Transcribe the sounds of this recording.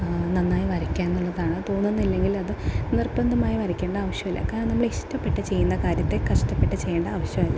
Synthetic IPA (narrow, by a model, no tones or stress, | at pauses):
nɐnːaːjiʋɐɾikʲːaːnenːuɭːɐðaːɳɨt̪o̞ːnːenːilːe̞ŋɡilɐðɨnirbɐnd̪ɐmaːjiʋɐɾɐkʲːe̞ːɳɖɐːʋɐɕjɐmilːɐ̰kaːɾɐŋnɐmːɐɭeiʂtːɐmpːe̞ʈːɨt͡ɕe̞jːunːɐkaːɾjɐt̪ːe̞kɐʂʈɐpːe̞ʈːɨt͡ɕe̞jːeːɳɖɐːʋɐɕjɐmilːa